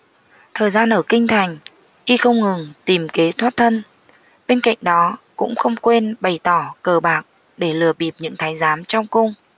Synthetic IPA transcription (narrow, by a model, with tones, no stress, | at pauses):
t̪ʰəː˨˩jzaː˧nʔəː˧˩kï˧ŋ̟t̪ʰa˨˩jŋ̟ | ʔi˧xə˧wŋ͡mŋɨ˨˩ŋt̪i˨˩mke˨˦t̪ʰwaː˦˥t̚t̪ʰə˧n | ɓe˧nka̰˧˨jŋ̟ɗɔ˨˦kʊ̰˧˥ŋ͡mxə˧wŋ͡mkwe˧nɓa˨˩jt̪ɔ˧˩kəː˧˩ɓaː˨˩k̚ | ɗe˧˩lɨ˨˩əɓi˨˩əp̚ɲɨ̰˧˥ŋt̪ʰaː˨˦jzaː˨˦mt͡ɕɔ˧wŋ͡mkʊ˧ŋ͡m